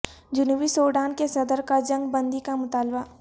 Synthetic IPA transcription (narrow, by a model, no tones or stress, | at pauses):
d͡ʒʊnwisoːɖaːnkesɐd̪əɾkad͡ʒɐ̃ŋɡbə̃nd̪ikamʊt̪aːlba